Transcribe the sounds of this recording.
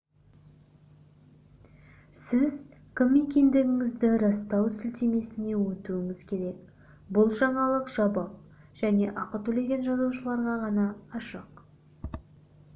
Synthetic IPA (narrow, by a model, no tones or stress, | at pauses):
sɪz | kʲʰɪmːekʲe̞nd̪ɪɡʲɪŋɪzd̪ɪɾɑst̪ɑwsɪlt̪e̞me̞sɪne̞wɵt̪uɪŋɪz̥kʲʰe̞ɾe̞k | bʊlˠʒɑɴɑlˠəqʒ̥ɑbɑq̚ | ʒ̥æne̞ʔɑqət̪ɵle̞ɡʲe̞nʒɑzuwʃəlˠɑɾʁɑʁɑnɑːʃəq